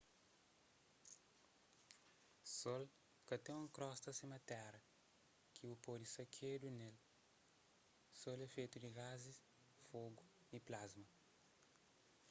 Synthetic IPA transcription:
sɔl | kɐt̪ẽũkɾɔst̪ɐsimɐt̪ɛɾɐ | kʰiupɔdisɐkʰed̪unel | solɛfejt̪ud̪iɣazis | foɡu | iplazmɐ

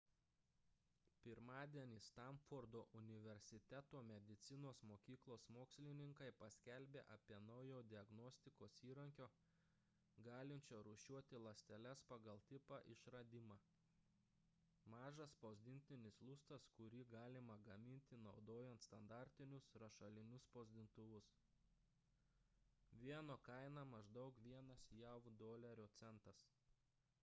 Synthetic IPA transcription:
pʲɪɾmɑːd̪ʲiɛnʲiːst̪ɐmfoɾd̪oːʔʊnʲɪʋʲɛɾʲsʲɪt̪ʲɛt̪oːmʲɛd̪ʲɪt̪sʲɪnoːsmoːkʲiːklˠoːsmoːksʲlʲɪnʲɪŋkɐɪpɐsʲkʲɛlʲbʲeːʔɐpʲiɛnɐʊjoːd̪ʲɪɐɡnɔsʲt̪ʲɪkoːsiːɾɐŋʲkʲoː | ɡɑːlʲɪnʲt͡ʃʲoːɾʊʃʲuɔt̪ʲɪlˠɐsʲt̪ʲɛlʲɛspɐɡɐlˠt̪ʲɪpɑʔɪʃɾɐd̪ʲɪmɑː | mɑːʒɐspoːzʲd̪ʲɪnʲt̪ʲɪnʲɪslˠʊst̪ɐskʊɾʲiːɡɑːlʲɪmɐɡɐmʲɪnʲt̪ʲɪnɒʊd̪oːjɛnt̪st̪ɐnd̪ɑˑɾʲt̪ʲɪnʲʊsɾɐʃɐlʲɪnʲʊspoːzʲd̪ʲɪnt̪ʊʋʊs | ʋʲiɛnoːkɐɪnɐmɐʒd̪ɐʊkʋʲiɛnɐsjɛʊd̪oːlʲɛɾʲoːt̪sʲɛnˑt̪ɐs

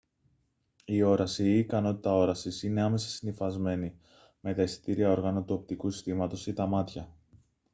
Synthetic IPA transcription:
io̞ɾɐsiːkɐno̞t̪i̥t̪ɐo̞ɾɐsisine̞ɐme̞sɐ̥sinifɐzme̞ni | me̞t̪ɐisi̥t̪iɾiɐo̞ɾɣɐnut̪uo̞p̚t̪ikusi̥st̪imɐt̪o̞sit̪ɐmɐt̪çɐ

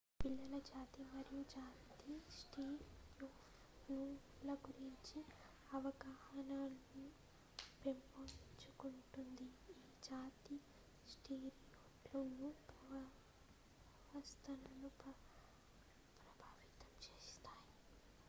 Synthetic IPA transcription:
pilːɐlɐd͡ʒaːt̪imɐɾijud͡ʒaːt̪isʈiːɾjuːf | nu | lɐɡuɾiɲt͡ʃi | ɐʋɐɡaːhɐnaːlɐnu | pempot͡ʃukuɳʈund̪iiːd͡ʒaːt̪i | sʈiːɾjoːplɐnupɐʋɐ | ɐst̪ʰɐnɐlu | pɾɐbʱaːʋit̪ɐ̥mt͡ʃeːst̪aːji

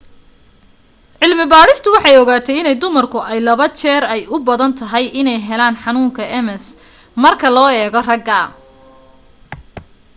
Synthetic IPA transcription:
ʕɪlmɪbaːɾɪst̪ʰʊwɑħɑjɔɣaːt̪ʰɛjɪnɛjd̪ʊmɐrkʰʊʔɛjlɐβɐt͡ʃʰɛːɾɛjʊbɐðɐnt̪ʰɐɦɛjɪnɛjɦɛlaːnħɑnuːŋkʰɐʔɛmɛs | mɐrkʰɐlɔːɛːɣɔrɐɡɐ

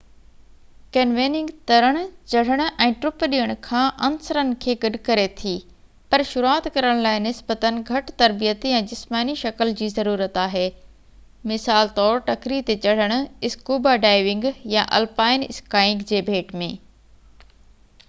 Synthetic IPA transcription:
kɛnʋeːnɪ̃ŋɡt̪ɐɾəɽ̃ʊ̆t͡ɕɐɽ̤əɽ̃ʊ̆ʔɛ̃ːʈɾʊpɗijəɽ̃ʊ̆kʰãːʔɐnsəɾənɪ̆kʰeːɡɐɗʱkɐɾet̪ʰiː | pɐɾʃʊɾuaːt̪kɐɾəɽ̃laːɪnɪsbət̪ənɪ̆ɡʱɐʈt̪ɐɾbijət̪ɛ̃ːd͡ʑɪsmaːniʃɐkəld͡ʑiːzɐɾuːɾət̪aːɦeː | mɪsaːlt̪ɔːɾʈɐkɾit̪et͡ɕɐɽ̤əɽ̃ʊ̆ɪskuːbaɖaːɪʋɪ̃ŋɡjaʔɐ̰lpaːɪnɪskaːɪ̃ŋɡd͡ʑeːbʱeːʈmẽː

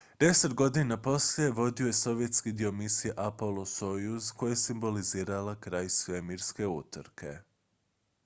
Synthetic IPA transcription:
d̪̥e̞set̪ɡo̞d̪inapo̞slje̞ʋo̞d̪io̞je̞so̞ʋje̞t̪skid̪io̞misijeʔapolˠosojuzko̞jeesimbo̞liziːɾalakɾaːjsʋemiɾske̞ut̪ɾkʰe̞̰

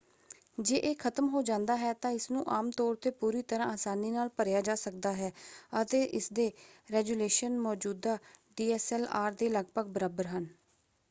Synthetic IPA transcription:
d͡ʒeːʔeːkʰət̪mɦoːd͡ʒãːnd̪aːɦɛːt̪ãːɪsnũːʔaːmt̪ɔːɾt̪eːpuːɾiːt̪əɾãːaːsaːniːnaːlpəɾjaːd͡ʒaːsəkd̪aːɦɛːət̪eːʔɪsd̪eːɾɛːɡuːleːʃənmɔːd͡ʒuːd̪aːɖiːɛːsɛːlaːɾd̪eːləɡpəɡ̚bəɾaːbəɾɦən

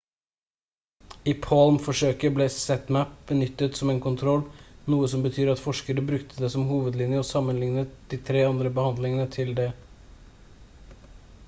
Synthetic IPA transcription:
iːpʰɑlmfɔʂøːkəbleːsɛt̪mæp̚bənʏt̪ːət̪sɔmeːnkʊnt̪ʰɾɔlːnuːəsɔmbət̪ʰyːɾɑt̪fɔʂkəɾəbɾʉkt̪ʰəd̪ɛsɔmhuːʋəd̪lɪnjəɔsɑmːənlɪŋnət̪̚d̪iːt̪ʰɾeːɑnd̪ɾəbəhɑnd̪lɪŋənət̪ʰɪld̪ɛ

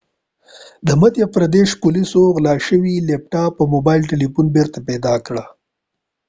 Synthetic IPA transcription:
d̪əmad̪jafɾad̪eʃpʊlisoɣlɑʃəwilep̚ʈɑpəmobɑjlʈelipunbeɾt̪apɛd̪ɑkɽa

